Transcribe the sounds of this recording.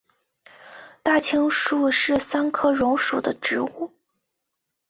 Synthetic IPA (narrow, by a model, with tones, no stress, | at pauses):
t̪a˥˩t͡ɕʰi˥ŋʂu˥˧ʂɻ̩˥˩sa˥nkʰɤ˥ɻʊ˧˥ŋʂu˨˩d̪ə˦ʈ͡ʂɻ̩˧˥u˥˩